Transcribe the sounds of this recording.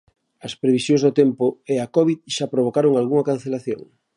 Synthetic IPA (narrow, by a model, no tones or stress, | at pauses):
ɐspɾeβisjoŋzðot̪empoeakɔβiðʃapɾoβ̞okaɾoŋalɣuŋɐkan̟θelaθjo̰ŋ